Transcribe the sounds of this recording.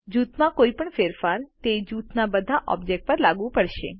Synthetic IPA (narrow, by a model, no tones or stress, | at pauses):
d͡ʒut̪mãkoipəɳfeɾfaɾt̪ed͡ʒut̪nabəd̪ʱaʔɔ̰bd͡ʒek̚ʈ̚pəɾlaɡũpəɽʃḛ